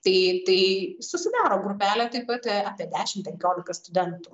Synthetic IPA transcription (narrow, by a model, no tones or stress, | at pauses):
t̪ɐɪt̪ɐɪsʊsʲɪd̪ɑːɾoːɡɾʊpʲæːlʲɛt̪ɐɪpɐt̪ɛɑːpʲiɛd̪ʲæːʃʲɪmpʲɛŋʲkʲoːlʲɪkɐst̪ʊd̪ʲɛnt̪uː